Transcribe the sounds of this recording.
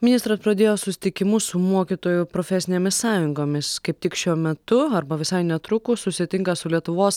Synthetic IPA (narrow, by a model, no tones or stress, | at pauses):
mʲɪnʲɪst̪ɾɐspɾɐd̪ʲeːjoːsʊsʲɪ̥t̪ʲɪkʲɪmʊsʊmuɔkʲit̪oːjʊpɾoːfʲɛsʲɪnʲeːmʲɪssɑːjʊŋɡoːmʲɪskɐɪp̚t̪ʲɪkʃʲuɔmʲɛt̪ʊɐɾbɐʋʲɪsɐɪnʲɛt̪ɾʊkʊsʊsʲɪt̪ʲɪŋkɐsʊlʲiɛt̪ʊʋoːs